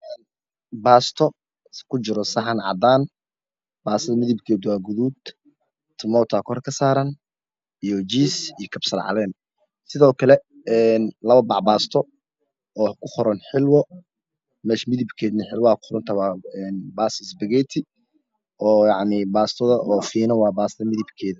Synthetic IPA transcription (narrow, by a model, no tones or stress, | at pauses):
ʔɛːn | baːst̪ʰɔ | kʰʊt͡ʃɪɾɔsɐħɑnʕɑ̰d̪aːn | baːsɐðɐmɪðɪbkʰɛːd̪waːɡʊðuːd̪ | t̪ʰɪmɔːt̪ʰɐkʰɔrkʰɐsaːɾɐn | ijɔt͡ʃiːsijɔkʰɐbsɐlʕɑ̰lɛːn | sɪðɔːkʰɐlɛ | ɛːnlɐβɐbɑʕbaːst̪ʰɔ | ɔːkʰʊχɔɾɐnħɪlwɔ | mɛːʃmɪðɪbkʰɛːd̪nɐħɪlwɔakʰʊ̥χɔɾɐnt̪ʰɐwaːɛːnbaːsɪsbɐɣɛt̪ʰɪ | ɔːjɑʕnibaːst̪ʰɔðɐʔɔːfiːnɐwɑːbaːsɐðɐmɪðɪbkʰɛːðɐ